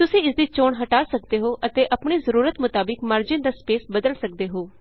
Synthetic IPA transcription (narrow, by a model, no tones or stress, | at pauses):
t̪ʊsĩːɪsd̪iːt͡ʃoːɳɦəʈaːsəkd̪eːɦoːʔət̪eːʔəpɳ̃iːzəɾuːɾət̪mʊt̪aːbɪkmaːɾd͡ʒɪ̃ːnd̪aːspeːsbəd̪əlsək̚d̪eːɦoː